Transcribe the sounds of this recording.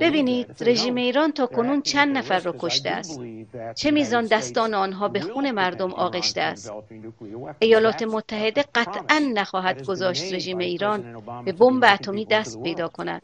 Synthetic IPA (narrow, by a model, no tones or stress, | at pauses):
b̥e̞biːniːd̪̥ɾe̞ʒiːme̞iːɾɒːnt̪ʰɒːkʰo̞nuːnt͡ʃʰænd̪næfæɾːɒːkʰo̞ʃt̪eæ̰st̪̚t͡ʃʰe̞miːzɒːnd̪æst̪ɒːneɒːnɦɒːbe̞xuːne̞mæɾd̪omʔɒ̰ːɣe̞ʃt̪eæst̪̚ | ʔe̞jɒːlɒːt̪ʰe̞mot̪ʰːæɦe̞d̪e̞ɢæt̪ʰʔænːæxɒːɦæd̪ɡozɒːʃt̪ɾe̞ʒiːme̞iːɾɒːnbe̞bombeæt̪ʰomiːd̪æst̪̚pʰe̞jd̪ɒːkʰo̞næ̰d̪̥